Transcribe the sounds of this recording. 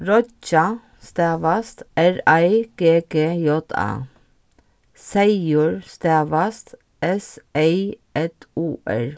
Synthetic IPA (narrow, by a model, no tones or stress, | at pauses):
ɹɔt͡ʃɑ | st̪æːʋɑst̪æɹɑɪɡ̥eːɡeːjɔt̪ʰɑ̰ː | sæɪʊɹst̪æːʋɑst̪ | ʔɛseɪʔɛt̪uːʔæ̰ɹ